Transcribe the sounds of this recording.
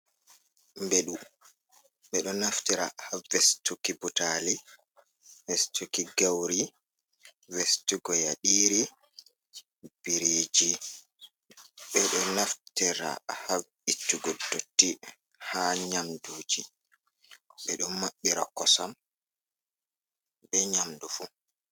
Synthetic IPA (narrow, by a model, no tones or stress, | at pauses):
mbɛɗu | ɓɛɗɔnaftiɾa̰havɛstukibutali | vɛstʰukiɡawɾi | vɛstuɡɔjaɗiːɾi | b̥iɾiːd͡ʒi | ɓɛɗɔnaftɛɾa̰hav | itːuɡɔdotːi | haɲamduːd͡ʒi | ɓɛɗɔnmːaɓːiɾakɔsam | ɓɛɲamdufu